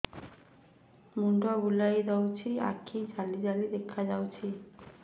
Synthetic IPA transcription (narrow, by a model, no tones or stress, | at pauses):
muɳɖɔɡulajd̪awt͡ɕʰia̰kʰːid͡ʑalːid͡ʑalid̪ekʰːad͡ʑawt͡ɕʰi